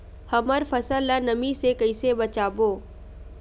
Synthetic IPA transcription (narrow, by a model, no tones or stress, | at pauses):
hɐməɾfɐsəlːanɐmisekɐɪsebɐt͡ʃaːboː